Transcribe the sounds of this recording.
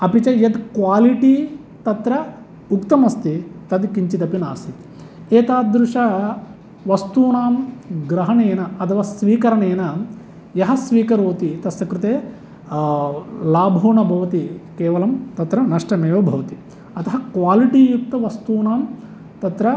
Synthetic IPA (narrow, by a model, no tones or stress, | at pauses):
ɐpit͡ʃɐjɐd̪kʋaːliʈi | t̪ɐt̪ɾɐ | ukt̪ɐmɐst̪it̪ɐd̪kiɲt͡ʃit̪ɐpinaːst̪it̪i̥ | eːt̪aːd̪ɾuʂɐ | ʋɐst̪uːnaːmɡɾɐɦɐneːnɐɐt̪ʰɐʋɐsʋiːkɐɾɐneːnɐ | jɐɦɐsʋiːkɐɾoːt̪it̪ɐsɐkɾut̪eː | laːbʱoːɳɐbʱɐʋɐt̪ikeːʋɐlɐmt̪ɐt̪ɾɐnɐʂʈɐmeːʋɐbʱɐʋɐt̪i̥ | ɐt̪ɐɦɐkʋaːliʈiːjuk̚t̪ɐʋɐst̪uːnaːm | t̪ɐt̪ɾɐ